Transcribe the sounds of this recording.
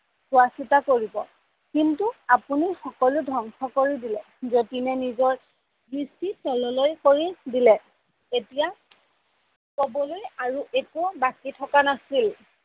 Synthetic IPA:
suasitakoɹibɔ | kintuapunixɔkɔludʱɔŋxʰɔkoɹidilɛ | zotinɛnizɔɹ | bɹistisʰɔlɔlojkoɹidilɛ | etija | kobɔlojaɹuʔekubakitʰɔkanasil

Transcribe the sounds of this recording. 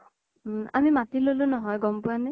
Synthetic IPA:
a̰mimatilolunɔɦɔjɡɔmpʊane

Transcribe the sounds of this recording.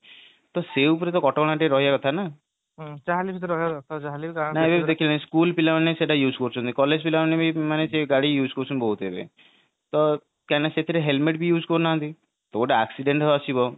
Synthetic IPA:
t̪ɔseupɔɾet̪ɔkɔʈɔkɔɽ̃aʈeɾɔɦiakɔt̪ʰana | ɦt͡ʃaɦalibit̪ɾɔɦiat̪at͡ʃaɦaliikanaebebid̪ekʰilenaskulpilamaneseʈajuːd͡ʒkoɾt͡ʃʰɔnt̪ikɔled͡ʒpilamnebimaneseɡaɽijuːd͡ʒkɔɾut͡ʃʰɔnboɦut̪ebḛ | t̪ɔ | kanaset̪ʰiɾeɦelmeʈbijuːd͡ʒkɔɾnaɦɔnt̪i | t̪ɔkoʈaaksiɖeɳʈɦeat͡ʃʰibɔ

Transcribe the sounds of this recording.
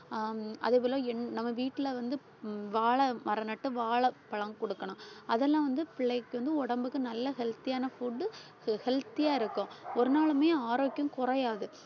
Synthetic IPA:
ʔɐ̰ðɯʋɪlõɛnːnɐmːɐʋiːʈːɪlɐʋɐnd̪ɯ | ʋaːɭɐmɐɾɐnɐʈːɯʋaːɭɐpɐɭɐŋkɔɽɯkːɐɳʊ̃ɐðɛlːãːʋɐnd̪ɯpɪɭːɐɪkːɯʋɐnd̪ɯɔɽɐmbɯkːɯnɐlːɐɦɛlt̪ɪjaːnɐfuːɖːɯ | hɛlt̪ɪjaːɪɾɯkːʊ̃ɔɾɯnaːɭɯmeːaːɾoːkːɪjʊ̃mkʊrɐjaːðɯ

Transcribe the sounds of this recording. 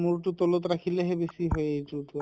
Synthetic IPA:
muɹtut̪ɔlot̪ɹakʰileɦebesiɦojejtutu

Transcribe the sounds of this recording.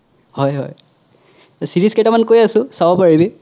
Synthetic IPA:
hɔjɦɔ̰j | siɹisketamankojasʊ̃sabɔpaɹibi

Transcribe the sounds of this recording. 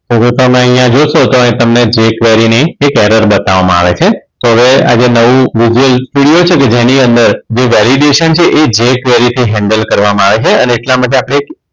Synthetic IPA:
t̪okot̪omẽəɦĩjãd͡ʒoʃot̪oə̃ĩt̪əmned͡ʒekʋɛɾinəiekɛɾəɾbət̪aʋamãa̰ʋet͡ʃʰet̪oɦəʋea̰d͡ʒenəʋũʋid͡ʒuəlsʈuɽijot͡ʃʰeked͡ʒeniənd̪əɾd͡ʒeʋɛliɖeʃənt͡ʃʰeʔed͡ʒekʋɛɾit̪ʰiɦɛ̃ɳɖəlkəɾʋamãaʋet͡ʃʰeəneːʈlamaʈ̬eapɽ̃eːk

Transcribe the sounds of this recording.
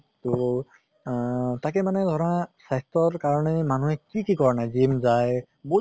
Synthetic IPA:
to | takɛmanɛd̪ʱɔɹasajstɔɹkaɹɔnɛmanuɦɛkikikɔɹnajzimzaj | bo

